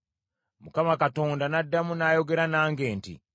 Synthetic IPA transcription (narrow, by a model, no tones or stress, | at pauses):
mukamakato̞ːndanadːamunaːjo̞ɡe̞ɾanaːŋɡe̞ːntḭ